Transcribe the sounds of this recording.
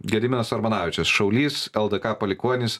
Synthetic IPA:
ɡʲɛd̪ʲɪmʲɪnɐsɐɾmɐnɑːʋʲɪt͡ʃʲɛsʃɐʊlʲiːsɛlˠd̪ɐkɑːpɐlʲɪkuɔnʲɪs

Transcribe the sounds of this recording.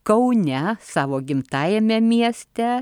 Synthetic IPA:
kɐʊnʲɛsɑːʋoːɡʲɪmt̪ɑːjɛmʲɛmʲiɛsʲt̪ʲɛ

